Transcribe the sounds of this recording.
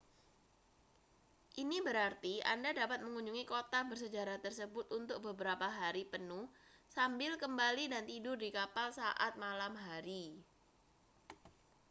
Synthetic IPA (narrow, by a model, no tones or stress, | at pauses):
ʔinibəɾart̪ia̰ndadapat̪̚məŋuɲd͡ʒuŋikot̪abərsəd͡ʒaɾaht̪ərsəbʊt̪unt̪ʊk̚bəbəɾapaɦaɾipənʊhsambɪlkəmbalidant̪idʊrdikapalsaʔa̰t̪̚malamɦaɾi